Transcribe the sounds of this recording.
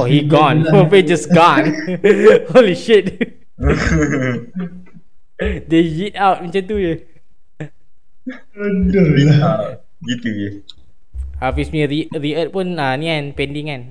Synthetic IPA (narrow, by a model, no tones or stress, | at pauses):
ohiɡɔ̃nowed͡ʒasɡɔ̃n | holiʃit̚ | dejit̚awt̚mãt͡ʃãnt̪ujə | ədə | jit̪u | afismĩɹiɹiət̚pũnənikanpɛ̃ndĩŋan